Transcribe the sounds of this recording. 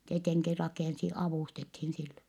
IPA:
tieteŋki rɑkeˑnsi ɑʋuˑstethin silːe

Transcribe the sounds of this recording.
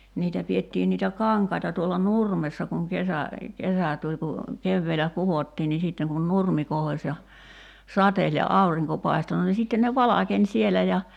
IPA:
niːtæ pietːiːn niːtæ kɑŋkɑitɑ tuolːɑ nurmesːɑ kuŋ kesæ kesæ tulʲ ku keʋːeːlæ kuʋotːiː niː siˑtːeŋ kun nurmi kohosʲ jɑ sɑtelʲ jɑ ɑuriŋko pɑi̞sto no ni sitːen ne ʋɑlɑkenʲ sielæ jɑ

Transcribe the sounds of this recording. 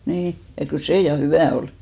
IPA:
niː jɑ kyl seˑ jɑ hyʋæˑ ol

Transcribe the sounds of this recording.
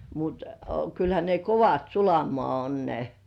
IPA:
mut kylhæ ne koʋɑt sulɑmoɑˑ on ne

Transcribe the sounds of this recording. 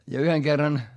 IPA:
jɑ yheŋ kerːɑn

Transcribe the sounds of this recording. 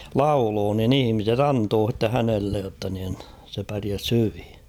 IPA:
lɑuloː nin ihĭmiset ɑntoː h̞itːe hænelːej jotːɑ nin se pæriæs hyʋi

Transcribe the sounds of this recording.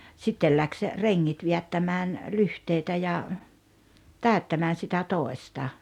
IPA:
sitːel læks reŋːit ʋiætːæmæːn lyhteitæ jɑ tæˑøtːæmæːn sitæ toˑestɑ

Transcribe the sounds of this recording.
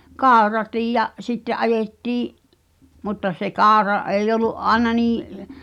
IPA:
kɑˑu̞rɑtiːj jɑ sitːeʔ ʔɑjetːiːʔ mutːɑ se kɑˑu̞rɑ ʔeˑij oluʔ ʔɑĕnɑ niː

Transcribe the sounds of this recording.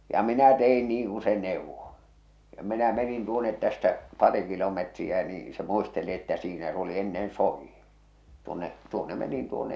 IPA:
jɑ minæ tein niːŋ ku se neˑuʋːo jɑ minæ menin tuonet tæstæ pɑri kilometriæ niː se muisteli etːæ siːnæ s oli enːen soˑijːin̞ tuonːeʔ tuonːe menin tuonːe

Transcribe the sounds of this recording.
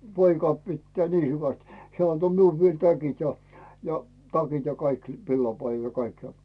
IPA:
poikɑ pitːæː niː hyʋæst heæˑ ɑnto miul ʋiel tækit jɑ jɑ tɑkit jɑ kɑik ʋilːɑpɑijːɑn̞ jɑ kɑik jɑ

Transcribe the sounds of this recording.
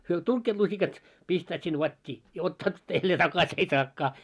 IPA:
hyø tuŋkːeːt lusikɑt pistæːt sin ʋɑtʲːiː jɑ otːɑːt jælːeː tɑkɑs ei sɑːkːɑː

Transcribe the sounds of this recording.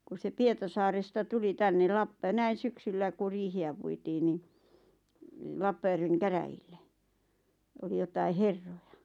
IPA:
ku se pietɑsɑːrestɑ tuli tænːel lɑpːɑ næin̞ syksylːæ ku riːhiæ puitiː ni lɑpːɑjærʋeŋ kæræjilːe oli jotɑi herːojɑ

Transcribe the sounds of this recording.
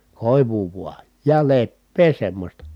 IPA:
koˑiʋuː ʋuɑ jɑ lepːeː semːostɑ

